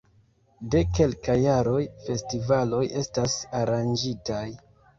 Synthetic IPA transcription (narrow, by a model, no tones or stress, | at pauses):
de̞ke̞lkajːaɾo̞jfe̞stivalo̞jʔe̞stasaɾand͡ʒitaj